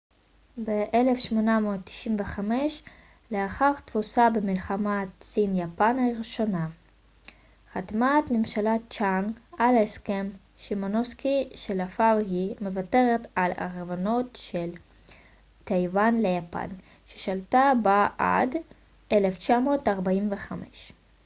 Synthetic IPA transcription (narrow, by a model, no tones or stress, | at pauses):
beʔele̞fʃmo̞namoːtːi̥ʃimveχameʃ | leaχaʁt̪v̥osabemilχamatsinjapanaʁiʃo̞na | χad̪mat̪mimʃalat͡ʃaŋɡalaeskem | ʃemonoskiʃelafavhime̞vate̞ʁet̪ala̰ʁvano̞tʃel | t̪ejvanlejapa̰n | ʃe̥ʃaltabaa̰d | ʔeleft͡ʃamo̞ːtaʁbaimveχamḛʃ